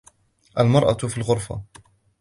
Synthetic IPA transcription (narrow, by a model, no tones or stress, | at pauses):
ʔalmɑɾˤʔɑ̰filɣʊɾˤfa̰